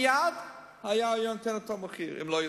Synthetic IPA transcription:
jad | hajajɔntɛnatɔməχiːɾɪ̰mlo

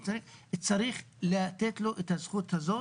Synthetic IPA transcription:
tt͡sɾiχet͡saɾiχ | laat̪et̪loʔet̪hazχut̪hazo

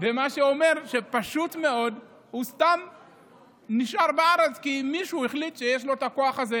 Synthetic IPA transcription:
vemaʃeo̞me̞ʁʃe̞paʃutme̞o̞d | hust̪am | niʃʔaʁbeaʁet͡skimiʃuiχlit̪ʃe̞jeʃ̬lo̞et̪ako̞aχaze

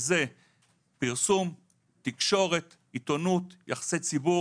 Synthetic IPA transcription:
ze | piʁsum | t̪ikʃo̞ʁe̞t̪ | it̪o̞nut̪jaχḁset͡sibu

